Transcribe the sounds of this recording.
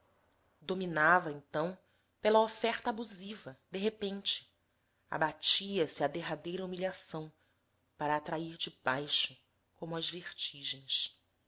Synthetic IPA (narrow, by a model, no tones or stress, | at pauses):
d̪ominavɐẽnt̪ɐ̃w̃ | pelɐofɛɾt̪ɐːbuzivɐd̪eɦepẽnt͡ʃɪ̥ | a̰bat͡ʃiɐsɪad̪eɦad̪ejɾɐumiʎasɐ̃w̃ | paɾaːt̪ɾaiɾd͡ʒɪbajʃʊ | kõmʊɐzveɾt͡ʃiʒẽj̃s